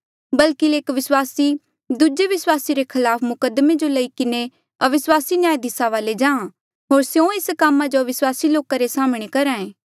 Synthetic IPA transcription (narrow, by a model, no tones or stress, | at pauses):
bɐlkileːkʋɪswaːsi | d̪ud͡ʒeʋɪswaːsiɾekʰɐlaːpʰmʊkəd̪med͡ʒolɐikɪne | ɐʋɪswaːsinjaːjd̪ʱɪsaʋaːled͡ʒãːã | ɦoːɾsjõɪskamːad͡ʒoʋɪswaːsiloːkaɾesaːmɽ̃ekɐɾãːẽː